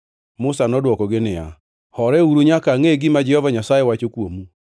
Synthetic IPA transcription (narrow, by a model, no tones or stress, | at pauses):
mosanɔdwɔkɔɡenɪa | hɔɾɛuɾuɲakaŋeɡimad͡ʒɛhɔvaɲasajewat͡ʃokwomu